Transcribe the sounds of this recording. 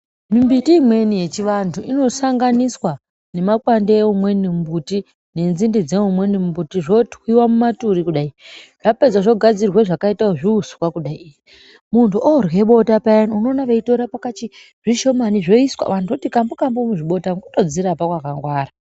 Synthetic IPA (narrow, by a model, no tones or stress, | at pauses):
mimbitimwe̞nije̞t͡ʃiʋantʰuʔino̞saŋɡaniswa | ne̞makwandeeumwe̞nimbuti | ne̞nzindid͡zeumwe̞nimmbutiʐo̞twiwamumatuɾikuɗaiʐ̥aped͡zaʐo̞ɡʱad͡zirweʐakaitaoʐiusu̥kwakuɗaiiji | muntuʔorwe̞ɓo̞tapajanuno̞ːnaʋeitoɾapakat͡ʃi | ʐ̥iʃo̞maniʐo̞iswa̰ʋantʰuotikambukambomuʐiɓo̞taŋɡotod͡ziɾapakwakaŋɡwaːra